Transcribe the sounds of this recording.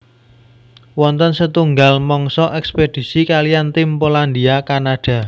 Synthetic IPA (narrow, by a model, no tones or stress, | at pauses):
wɔnt̪ənsət̪uŋɡalmɔŋsɔʔɛksped̪̥i̤sikalijant̪ɪmpoland̪iakanaɖ̥ä̤